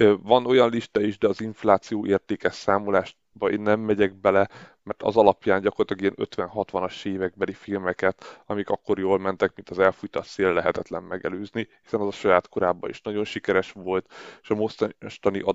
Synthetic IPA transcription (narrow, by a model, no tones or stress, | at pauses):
vɒno̞jɒnliʃt̪ɒiʒd̪ɛɒziɱflaːt̪sijoːʔeːrt̪eːkɛsaːmolaːʃ | bɒeːnːɛmːɛɟɛɡ̚bɛlɛmɛrt̪ɒ̰zɒlɒpjaːɲɟɒkort̪lɒɡijɛnø̰t̪ʋɛnɦɒt̪ʋɒnɒʃeːvɛɡ̚bɛlifilmɛkɛt̪ɒmikɒkːo̞ɾjoːlmɛnt̪ɛkmint̪ɒzɛlfujt̪ɒt̪seːlːɛɦɛt̪ɛt̪lɛmmɛɡɛløːznihisɛnɒzɒʃɒjaːt̪ko̞ɾaːbːɒ̰ḭʃnɒɟo̞nʃikɛɾɛʃʋo̞lt̪eʃɒmo̞ʃt̪ʃt̪ɒniʔɒ